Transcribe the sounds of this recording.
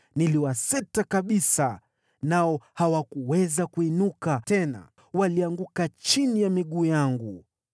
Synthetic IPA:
niliwasɛtakaɓisa | naɔhawakuwɛzakuinukatɛna̰ | waliaŋɡukat͡ʃinijamiɠuːjaŋɡu

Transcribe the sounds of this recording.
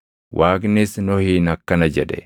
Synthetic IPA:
wʔaːɡnesnɔhiːnɐkːɐnɐd͡ʒɛᶑɛ̰

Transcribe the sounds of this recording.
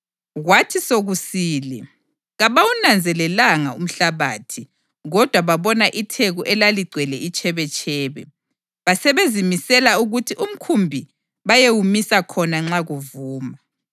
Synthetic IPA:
ɣwatʰisoɣusiːlɛ̰ | ɣaβawunand͡zʱɛlɛlaŋaum̩ɬaβaːtʰi | ɣɔd̥ʱwaβaβɔnaʔitʰeɣuʔɛlaliɡ͡ǀʱwɛlɛʔit͡ʃʰʼɛβɛt͡ʃʰʼɛːβɛ | βasɛβezimisɛlauɣutʰiʔum̩kʰumbʱi | βajewumisakʰɔnaŋ͡ǁaɣuvuːma

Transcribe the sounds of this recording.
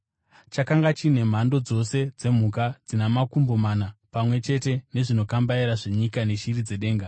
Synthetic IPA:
t͡ʃakaŋɡat͡ʃine̞m̤ando̞d͡zo̞se̞d͡ze̞m̤ukad͡zinamakumbo̞manapamwe̞t͡ʃe̞te̞ne̞ʐino̞kambaiɾaʐe̞ɲikane̞ʃirid͡ze̞ɗe̞ːŋɡa

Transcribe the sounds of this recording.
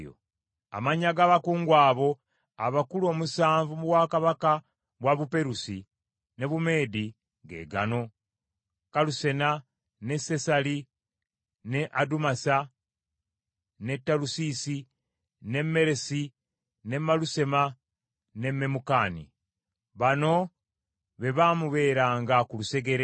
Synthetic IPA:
o̰ | a̰maɲaɡaːβakuːŋɡwaːβo̞ | aβakulo̞ːmusaːɱvumuwakaβaka | βwaβupe̞ɾusi | ne̞βume̞ːdi | ɡe̞̰ːɡa̰no̞ | kaluse̞na | ne̞se̞sali | neʔadumasa | ne̞tːalusisi | ne̞mːe̞ɾe̞si | ne̞maluse̞ma | ne̞mːe̞mukaːnḭ | βano̞ | βe̞βaːmuβe̞ːɾaːŋɡakuluse̞ɡe̞ɾe

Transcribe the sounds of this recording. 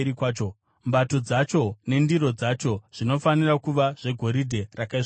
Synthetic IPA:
ikwaːt͡ʃo | mbato̞d͡zat͡ʃo̞ne̞ndiɾo̞d͡zat͡ʃo̞ʐ̥ino̞fanirakuʋaʐ̥e̞ɡʱo̞ɾidʱe̞rakai

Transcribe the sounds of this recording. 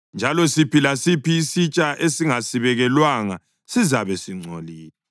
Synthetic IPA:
nd͡ʒʱalɔsipilasipiːsit͡ʃʼaʔesiŋasiβɛɣɛlwaŋa̰ | sizaβɛsiŋ͡ǀʱo̰liːla

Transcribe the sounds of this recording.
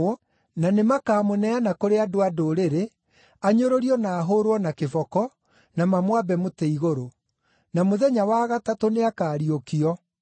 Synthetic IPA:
nanemakaːmonɛanakoɾeadoadoɾeɾe | aɲoɾoɾiɔnaːɦoɾwɔnakevɔkɔ | namamwabɛmoteiɣoɾo | namoðɛɲawaːɣatatoneakaːɾiokiɔ

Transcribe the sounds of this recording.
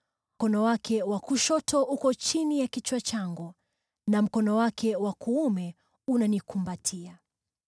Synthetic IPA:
kɔnɔwakʰɛwakuʃɔtʰɔʔukɔt͡ʃinijakit͡ʃwat͡ʃaŋɡɔ | nam̩kɔnɔwakʰɛwakʰuumɛ | unanikumbatʰia

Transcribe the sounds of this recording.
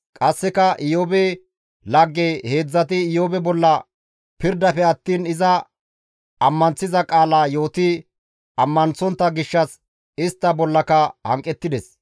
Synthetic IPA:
kʼɐsːɛkɐʔɪjoːbe | lɐɡːehe̞ːd͡zːɐt̪ɪɪjoːbɛbɔlːɐ | pɪɾd̪ɐfɛɐt̪ːiːnɪzɐ | ɐmːɐnt͡sːɪzɐkʼaːlaːjo̞ːt̪ɪ | ɐmːɐnt͡sːɔnt̪ːɐɡɪʃːɐs | ɪst̪ːɐbɔlːɐkɐhɐ̰ŋkʼːɛt̪ːɪd̪ɛs

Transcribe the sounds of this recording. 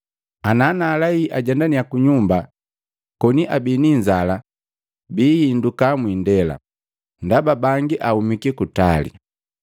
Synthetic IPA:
anaːnalaiʔaɟɛndanijakuɲumba | kɔniʔabiniɲd͡ʒala | biːhindukamwindɛla̰ | ndababaŋɡiʔahumikikutalḭ

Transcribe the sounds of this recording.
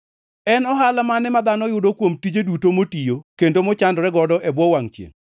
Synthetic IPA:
ɛnɔɦalamanɛmad̪anɔjʊdokwomtid͡ʒedutomotijokendomɔt͡ʃandɾɛɡɔdɔʔɛbwɔwaŋt͡ʃjḛŋ

